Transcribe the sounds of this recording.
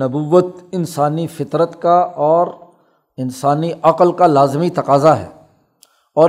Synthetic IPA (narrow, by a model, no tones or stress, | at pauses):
ɐbuːʋət̪ɪnsaːnifɪt̪ɾət̪kaɔːɾ | ɪnsaːniʔɐqəlkalaːzmit̪ɐqaːzaɦɛ̰ː | ɔːɾ